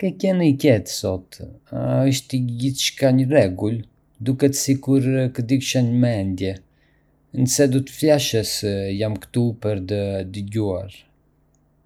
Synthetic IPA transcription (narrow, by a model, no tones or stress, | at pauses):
kɛcɛnicɛt̪sɔt̪ | əʃ̬t̪əɟiθʃkaɲərɛɡul | d̪ukɛt̪sikuɾkəd̪ikʃaɲmɛnd̪jɛ | nəsɛd̪ɔt̪ə̥flaʃəsjamkt̪upəɾt̪̬əd̪əɟua̰ɾ